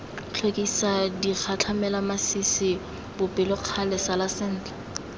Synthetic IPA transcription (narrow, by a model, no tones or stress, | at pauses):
t͡ɬʰwekʼisadik͡xʰat͡ɬʰamɛlamasisɪ | bʊpʼɪlʊq͡χʰalɛsalasɪn̩ːt͡ɬḁ